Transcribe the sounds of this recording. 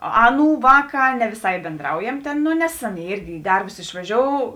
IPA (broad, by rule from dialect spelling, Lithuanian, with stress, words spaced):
ˈɑːˌnuː ˈʋɑːˌkɑː nʲɛ ʋʲɪˈsɐɪ bʲeːnˈdrɐʊjɛm tʲeːn ˈnoː nʲɛs ˈɑːˌnʲeːɪ ˈɪrʲɡʲɪ ɪ ˈdɐrbʊs ɪʃʋɐˈʒʲoːʊ